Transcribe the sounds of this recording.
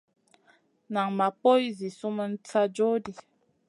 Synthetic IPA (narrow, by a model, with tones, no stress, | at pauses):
na˨ŋma˨po˦i˦zi˨su˦mə˦n̩˦t͡sa˦d͡ʒo˦di˨